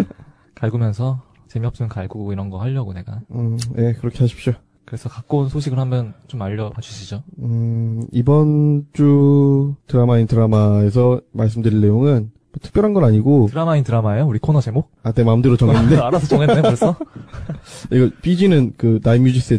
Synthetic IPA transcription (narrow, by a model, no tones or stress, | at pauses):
kaɭɡumjʌnsʰʌ | t͡ɕe̞miʌps͈ɯmʌnkaɭɡuɡoiɾʌnɡʌhaʎːʌɡone̞ɡaɯje̞kɯɾʌkʰe̞aɕʰi̥p̚ɕ͈o | kɯɾesʰʌkak͈̚ounsʰoɕ̬ʰiɡɯɭhambjʌnt͡ɕomaʎːʌpat͡ɕʰuɕʰid͡ʑoɯibʌnt͡ɕu | tɯɾamaintɯɾamae̞s̬ʰʌmaɭs̬͈ɯmdɯɾiɭːe̞joŋɯn | mʌtʰɯ̥k̚pjʌɾɦanɡʌɾaɲiɡotɯɾamaintɯɾamaejouɾikʰonʌt͡ɕe̞mok̚ane̞maɯmdɯɾot͡ɕʌŋenːɯndeaɾasʰʌt͡ɕʌŋeneoɾesʌ | iɡʌp͈id͡ʑinɯnkɯnaimjud͡ʑis͈e